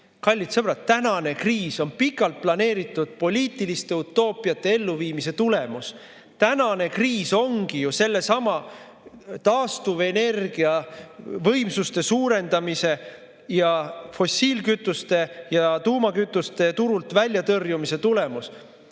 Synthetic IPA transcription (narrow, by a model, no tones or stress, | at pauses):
kɑlʲːit̪sɤb̥rɑt̪ːænɑne̞kriːso̞npikːˑɑlt̪̚plɑne̞ːɾit̪ːˑud̪̥̚po̞lʲiːt̪ˑilist̪e̞ut̪ˑːo̞ːpːˑiɑt̪ːˑe̞e̞lːuviːmise̞t̪ule̞mus | t̪ænɑne̞kriːso̞ŋɡ̥ijuse̞lːe̞sɑmɑ | t̪ɑːst̪uve̞ne̞rɡ̥iɑvɤ̞jmsust̪e̞suːɾe̞nd̪̥ɑmise̞ | jɑfo̞sːiːlkyt̪ːˑust̪e̞jɑt̪uːmɑkyt̪ːˑust̪e̞t̪uɾult̪vælʲːjɑt̪ɤrjumise̞t̪ule̞mus